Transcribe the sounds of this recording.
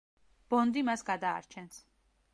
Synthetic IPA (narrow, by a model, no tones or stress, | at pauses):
b̥ɔnd̪imasɡad̪a̰ːɾt͡ʃʰɛns